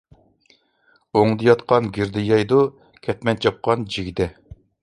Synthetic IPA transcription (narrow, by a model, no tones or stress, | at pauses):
oŋd̪ɨjɑt̪qʰɑnɡʲiɾd̪ɪjɑjd̪u | kʲʰɛt̪mɛnt͡ʃʰɑp̚qɑnd͡ʒiɡʲid̪ɛ